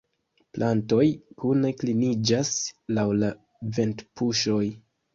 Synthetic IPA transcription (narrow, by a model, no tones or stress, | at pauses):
plʔanto̞jkune̞klinid͡ʒaslawla | ve̞ntpuʃo̞j